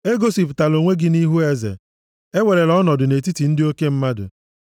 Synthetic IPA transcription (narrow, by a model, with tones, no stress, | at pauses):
e˦ɡo˦si˨pta˨lo˨ŋʷe˦ɡɪ˦ni˦ɦu˦e˦zḛ˨ | e˦we˨ɾe˨lɔ˦nɔ˨dʊ˨ne˨ti˦ti˨n̩˦dɪ˦o˦ke˦m̩˦ma˦dʊ̰˨